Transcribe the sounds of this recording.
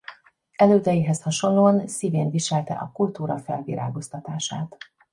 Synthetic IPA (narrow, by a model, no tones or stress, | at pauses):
ɛløːd̪ɛjiɦɛshɒʃo̞nloːɒnsiːveːnviʃɛlt̪ɛ̰ʔɒkult̪uːɾɒfɛlvḭɾa̰ːɡo̞st̪ɒt̪aːʃa̰ːt̪